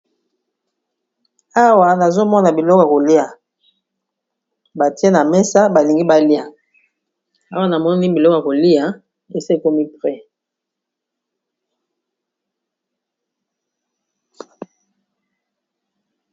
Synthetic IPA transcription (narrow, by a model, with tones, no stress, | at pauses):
a˦wa˨na˨zo˦mɔ˦na˨bi˨lɔ˦kɔ˦˨a˨ko˨li˦a˨ | ba˨ti˦e˦na˨mɛ˦sa˦ba˨li˨ŋɡi˦ba˦li˦a˨ | a˦wa˦na˨mɔ˦ni˦bi˨lɔ˦kɔ˨a˨ko˨li˦a˦ | e˨se˦˨ko˦mi˦pʁɛ˦